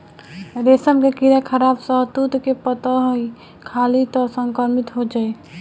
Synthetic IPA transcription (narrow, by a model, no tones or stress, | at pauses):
ɾesəmkekiɾakʰəɾabsəɦd̪ut̪kepət̪əɦoi | kʰalit̪ɔsəŋkəɾmit̪ɦod͡ʒae